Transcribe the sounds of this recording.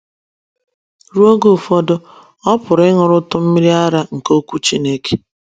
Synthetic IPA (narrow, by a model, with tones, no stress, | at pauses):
ɾu˦o˦ɡo˦˨fɔ˦dʊ˦ | ɔ˦pʊ˨ɾɪ˦ŋʊ˨ɾʊ˦tʊ˦m̩˦mi˦ɾi˦a˦ɾa˦ŋ̩˨ko˦kʷu˦t͡ʃi˦ne˦ke̥˦